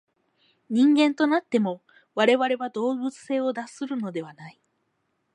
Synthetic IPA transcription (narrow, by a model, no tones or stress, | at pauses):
ɲ̟ĩŋɡẽ̞nt̪o̞nat̪ːe̞mo̞ | βaɾe̞βaɾe̞βad̪o̞ːbɯ̟t͡sɨ̥se̞ːo̞d̪asɨɾɯ̟no̞d̪e̞βanai